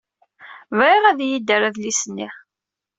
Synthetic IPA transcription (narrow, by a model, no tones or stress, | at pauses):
vɾiʁæðjid̪əɾæðlisənːiʁ